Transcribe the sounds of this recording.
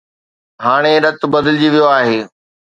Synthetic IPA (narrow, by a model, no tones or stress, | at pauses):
ɦaːɽ̃eɾɐt̪̆bɐd̪ɪlɪd͡ʑiʋijoaːɦeː